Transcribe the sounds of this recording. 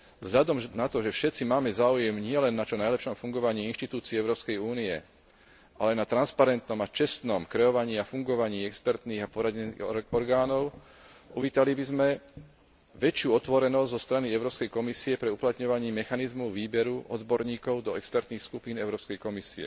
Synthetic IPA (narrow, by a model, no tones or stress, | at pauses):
vzɦʎad̪ɔmnat̪ɔʒɛfʃɛt̪t͡simaːmɛzaːujɛmɲɪɛlɛnːat͡ʃɔnajlɛpʃɔmfuŋɡɔʋaɲiːinʃt̪it̪uːt͡siɛɛʊɾɔːpskɛjuːniɛ | ʔalɛnat̪ɾanspaɾɛnt̪nɔmat͡ʃɛst̪nɔmkɾɛɔʋaɲiːafuŋɡɔʋaɲiːɛkspɛɾt̪niːɣapɔɾaɟɛniɔɾɡaːnɔʊ | uʋiːt̪alibizmɛ | ʋɛt͡ʃɪuːɔt̪ʋɔɾɛnɔzzɔst̪ɾaniɛʊɾɔːpskɛjkɔmisiɛpɾɛuplat̪ɲɔʋaɲiːmɛxanizmɔʊʋiːbɛɾuʔɔ̰d̪bɔɾɲiːkɔʊd̪ɔɛkspɛɾt̪niːxskupiːnɛʊɾɔːpskɛjkɔmisiɛ̰